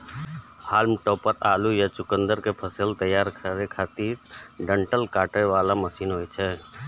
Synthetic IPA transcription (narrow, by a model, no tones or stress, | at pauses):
haːlmʈɔːpəɾaːlujat͡ʃʊkə̃nd̪əɾkepʰəsəlt̪əjːaːɾkʰɾekʰaːt̪iːɾɖə̃ɳʈəlkaːʈeʋaːlaməsiːnɦoːit͡ʃʰɛː